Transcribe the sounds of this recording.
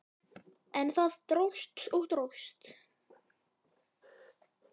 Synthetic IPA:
ɛnθaðt̪ɾowst̪ɔwt̪ɾowst̪

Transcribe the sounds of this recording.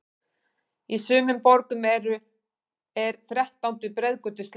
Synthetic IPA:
isʏːmʏmpɔɾkʏmɛɾʏ | ɛɾθɾɛht̪awnt̪ʏpɾɛðkœt̪ʏs

